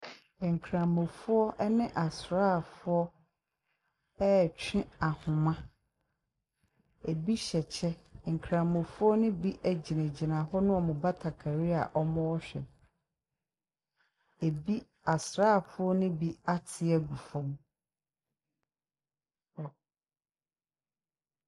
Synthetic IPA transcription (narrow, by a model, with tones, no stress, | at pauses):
ŋ̩˨kʰɾã˨mõ˨fʊ˦ɔ˦ʔɛ˦nɪ̃˦ʔa˨sɾaː˦˨fʊ˦ɔ˦ | ɛ˦˨t͡ɕᶣʰɪ̃˦a˨hʊ̃˨mã˦ | e˨bi˦ɕɛ˨t͡ɕʰɛ˦˨ŋ̩˨kʰɾã˨mõ˨fʊ˦ɔ˦nʊ̃˦bi˦ʔæ˨d͡ʑi˨nã˨d͡ʑi˨nã˨ɦɔ˦nʊ̃˦ɔ˨mʊ̃˨ba˦tʰa˨kʰa˨ɾi˦a̰˨ʔɔ˦mɔ̃˦ɔ˦ɕᶣɛ̰˨ | e˨bi˦ | a˨sɾaː˦˨fʊ˦ɔ˦nʊ̃˦bi˦a˦tʰɪ˨ɛ˦ɡu˨fɔ̃˦m | ɔ˨